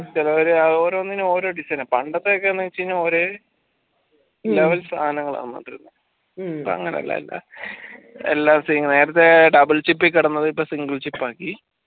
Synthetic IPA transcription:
t͡ɕilɐoɾuɐðo̞ːɾoːɐnːinɨo̞ːɾo̞ːɖisɐnɐpɐɳɖɐt̪ːejokːenːɐʋit͡ɕːɐnːɐo̞ːɾeː | elːaːʋɐlst̪ʰaːnɐŋːɐɭɐ̰ðɨma̰ːt̪iɾṵnːɨ | ipːo̰ɐ̰ŋːɐnḛɐ̰lːɐ̰ḛlːa̰ | ḛlːaːsine̞ːɾɐt̪ːe̞ɖɐbɨlɕipːik̬ːiɽɐnːɐðɨipːosiŋɡɐɭt͡ɕipːaːkːi

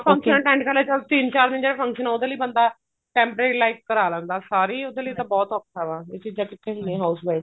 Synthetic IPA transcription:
pʰə̃ŋkʃənãːʈɛ̃ːɳɖkʰaleːt͡ʃəlt̪int͡ʃaːɾd̪ɪnd͡ʒeːɽeːpʰə̃ŋkʃənɛːʊd̪eːləiːbənd̪aː | ʈɛ̃ːmpəɾeːɾilaːɪfkəɾaːlə̃ːnd̪aːsaːɾiːʊd̪eːləiːt̪ãːbɔːt̪əkʰːaːʋãːet͡ʃiaːkɪt̪ʰːeɦiːẽːɦaːusbɛː

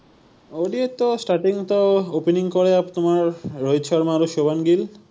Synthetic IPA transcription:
oliet̪osʈaɾʈiŋt̪oopeniŋkoɾeapt̪omaɾːoit͡ɕʰɔaɾmaɾoʃobanɡil

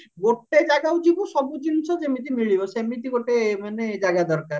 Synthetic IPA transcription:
ɡoʈed͡ʒaɡawd͡ʒibusɔbud͡ʒinisʰɔd͡ʒemit̪imiɭibɔsemit̪iɡoʈemaned͡ʒaɡad̪ɔɾkaɾ

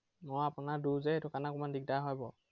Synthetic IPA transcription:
mɔapʊnaɹduzɛetʊkanakumandik̚daɦɔjbɔ̰

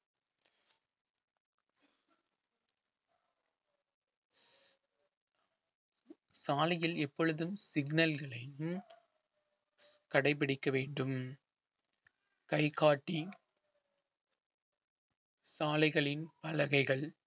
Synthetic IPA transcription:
saːlɐjɪlɛpːɔɻɯðɯmsɪɡnɐlɣɐɭɐɪnɯm | kɐɽɐɪp̬ːɪɽɪkːɐʋeːɳɖɯm | kɐɪkaːʈːi | saːlɐɪɣɐɭɪnpɐlɐɣɐɪɣɐɭ

